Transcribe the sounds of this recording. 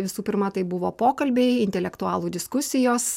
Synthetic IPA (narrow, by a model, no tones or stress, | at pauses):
ʋʲɪsuːpʲɪɾmɐt̪ɐɪbʊʋoːpoːkɐlʲbʲeɪɪnʲt̪ʲɛlʲɛkt̪ʊɑːlˠuːd̪ʲɪskʊsʲɪjoːs